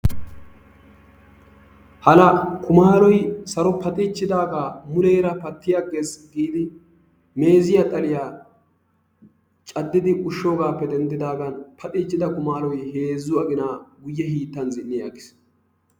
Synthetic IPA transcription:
hɐlɐkʰʊmaːlɔjsɐɾɔpɐt̪ʼiːt͡ʃːɪd̪aːɡaːmʊlɛjɾɐpɐt̪ːɪjaɡe̞ːsɡiːd̪ɪ | me̞ːzɪjat̪ʼɐlɪjaː | t͡ʃʼɐd̪ːɪd̪ɪʔʊʃːo̞ːɡaːpːɛd̪ɛnt̪ːɪd̪aːɡɐnpʰɐt̪ʼiːt͡ʃːɪd̪ɐkʊmaːlɔjhe̞ːzːʊɐɡɪnaːɡʊjːɛɦiːt̪ːɐnzɪnːɪjaɡɪ̥s

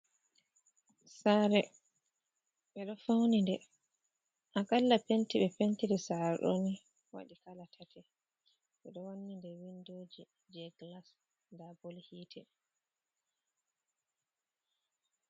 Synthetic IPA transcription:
saːɾɛ | ɓɛɗɔfawnindɛ | ʔakalːapentiɓɛpentidɛsaɾɗo̰ni | wa̰ɗikalatʰatʰɛ | ɓɛɗɔwanːindɛwindoːd͡ʒi | d͡ʒɛɡlas | ndabolhiːtʰɛ

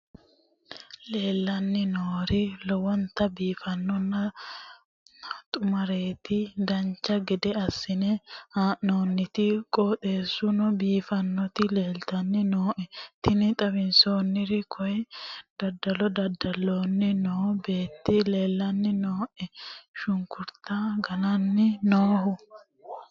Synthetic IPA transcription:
le̞ːlːɐnːɪnoːɾɪlɔwɔnt̪ɐbiːfɐnːɔnːɐ | t̪ʼʊmɐɾe̞ːt̪ɪd̪ɐɲt͡ʃːɐɡɛd̪ɛɐsːɪnɛhaːnoːnːɪt̪ɪkʼoːt̪ʼe̞ːsːʊnɔbiːfɐnːɔt̪ɪle̞ːlt̪ɐnːɪnoːʔɛt̪ɪnɪt̪ʼɐbɪnso̞ːnːɪɾɪkʰɔjɛd̪̥ɐd̪ːɐlɔd̪ɐd̪ɐlːoːnːɪnoːbe̞ːt̪ːɪle̞ːlːɐnːɪnoːʔɛʃʊŋkʊɾt̪aɡɐnɐnːɪnoːɦʊ

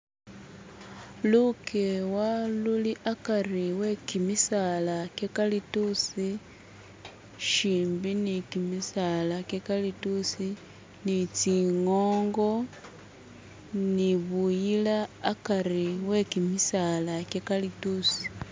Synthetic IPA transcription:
lukʰewaluliʔakariwe̞kimisalakekalitusi | ʃiːmbinikimisalakekalitusi | nit͡siŋo̞ːŋɡo̞ | niβujilaːkariwe̞kimisalakekalitusi̥

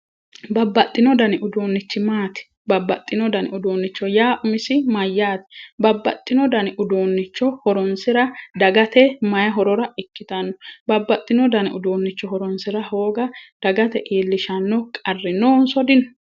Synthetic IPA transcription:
bɐbːɐt̪ʼːɪnɔd̪ɐnɪʔʊd̪oːnːɪt͡ʃːɪmaːt̪ɪ̥ | bɐbːɐt̪ʼːɪnɔd̪ɐnɪʔʊd̪oːnːɪt͡ʃːɔjaːʔʊmɪsɪmɐjːaːt̪ɪ̥bɐbːɐ̰t̪ʼːɪnɔd̪ɐnɪʔʊd̪oːnːɪt͡ʃːɔhɔɾɔnsɪɾɐd̪ɐɡɐt̪ɛmɐjɐɦɔɾɔɾɐɪkːɪt̪ɐnːɔbɐbːɐt̪ʼːɪnɔd̪ɐnɪʊd̪oːnːɪt͡ʃːɔhɔɾɔnsɪɾɐho̞ːɡɐd̪̥ɐɡɐt̪ɛʔeːlːɪʃɐnːɔkʼɐrːɪnoːnsɔd̪ɪn

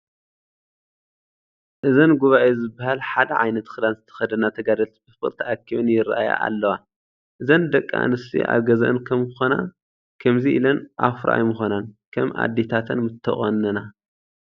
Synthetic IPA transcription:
ʔɨzɐnɡuβaʔezɨbːahalħad̪ɐʕajnɐt̪xɨd̪anzɨt̪ʰɐ̥xɐd̪ɐnat̪ʰɐɡad̪ɐlt̪ʰi̥bɨfɨɾt̪ʰiʔakːiβɨnjɪɾʔaja̰ʔa̰lːɐwa | ʔɨzɐnd̪ɐkʼːa̰ʔa̰nɨst̪ʰḭʔa̰βɡɐzʔɨnkʰɐmxona̰ | kʰɐmziʔilɐnʔa̰fɾa̰ʔa̰jmɨxonankʰɐmʔa̰d̪ːe̞t̪ʰat̪ʰɐnmɨt̪ʰːɐ̰χʼɐnːɐna

